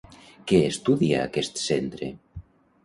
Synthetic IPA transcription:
keːst̪uðia̰ːkest̪sent̪ɾḛ

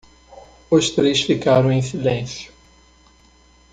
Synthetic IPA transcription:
ʊst̪ɾejsfikaɾɐ̃w̃ẽj̃silẽsjʊ̥

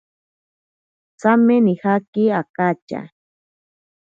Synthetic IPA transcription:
t͡samenihakiakat͡ʃa̰

